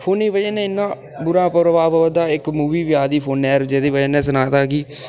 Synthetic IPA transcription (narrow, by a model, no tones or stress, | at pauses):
pʰoːniːʋəd͡ʒeːnɛ̃ːɪnːãː | bʊɾãːpəɾəʋaːʋəəd̪aːɪkmuːʋiːʋɪjaːd̪iːpʰoːnɛːɾd͡ʒeːd̪eːʋəd͡ʒeːnɛ̃ːs̬ənaːt̪aːɡiː